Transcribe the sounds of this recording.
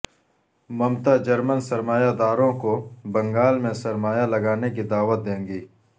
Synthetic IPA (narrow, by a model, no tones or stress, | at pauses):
mɐmt̪ad͡ʒɐɾmənsɐɾmaːjad̪aːɾõkobɐ̃ŋɡaːlmẽsɐɾmaːjalɐɡaːnekid̪aːʋət̪̚d̪ẽːŋɡiː